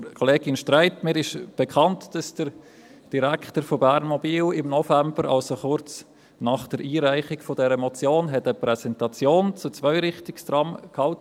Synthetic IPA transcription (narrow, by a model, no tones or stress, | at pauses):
kʰoleːɡɪnʃtraɪtmɪːɾɪʃb̥ekʰɑntd̥ɑsd̥əɾ | d̥iɾæktəɾfobæɾnmobiːlɪmnɔfæmbəɾʔɑ̰lsoχʊɾt͡s | nɑχd̥əɾʔiːɾæɪχɪɡ̥fodɛɾəmot͡sjoːnɦɛtəpɾɛsɛntɑt͡sjoːnt͡sut͡svœʏɾɪχtɪkstrɑmkhɑlt